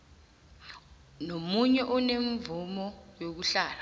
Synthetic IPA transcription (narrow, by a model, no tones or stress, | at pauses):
nomuɲɛʔɔneɱvumɔjok̬uɬaːla